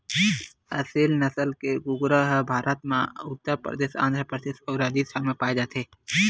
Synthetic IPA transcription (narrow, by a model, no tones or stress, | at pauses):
əsilnəsəlkeɡʊɡɾəɦəbʱaːɾʔət̪mãʊt̪ːəɾpɾə̰d̪eːsã̰ːnd̪ʱɾəpɾəd̪eːsɔwɾaːd̪ist̪ʰamepaːed͡ʒaːt̪eː